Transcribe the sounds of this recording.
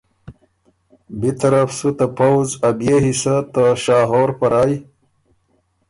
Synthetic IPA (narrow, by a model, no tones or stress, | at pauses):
bit̪ɐɾafsut̪apawzɐbjeɦisat̪aʃaːɦoːɾpɐɾaːj